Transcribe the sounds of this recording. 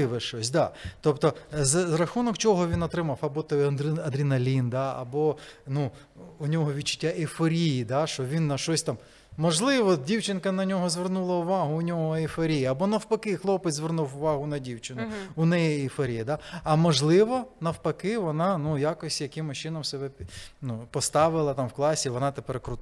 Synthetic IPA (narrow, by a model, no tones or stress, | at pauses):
ɪʋɪʃɔsʲd̪ɑt̪ɔpt̪ɔzzɾɐxunɔkt͡ʃɔɦɔʋʲinɔt̪ɾɪmɑfɐbɔt̪ɔɐd̪ɐd̪ɾʲinɐlʲind̪ɑɐ̰bɔnuː | nʲɔɦɔʋʲid̚t͡ʃːʊ̥tʲːaʔɪfɔɾʲijid̪ɑʃt͡ʃɔʋʲinːɐʃt͡ʃɔsʲt̪ɑm | mɔʒlˠɪʋɔdʲiwt͡ʃɪnkɐnɐnʲɔɦɔzʋernulˠɐʊʋɑɦʊːnʲɔɦɔɪfɔɾʲijiɐbɔnɐwpɐkɪxlˠɔpɪt͡sʲzʋernuwʊʋɑɦʊnɐdʲiwt͡ʃɪnʊʊnɛjɛɪfɔɾʲijɐd̪aɐmɔʒlˠɪʋɔnɐwpɐkɪʋɔnɑnujakɔsʲjɐkɪmʊʃt͡ʃɪnɔmsebɛnupɔst̪ɑʋɪlˠɐt̪ɑmwklˠɑsʲiʋɔnɑt̪epɛrkɾʊ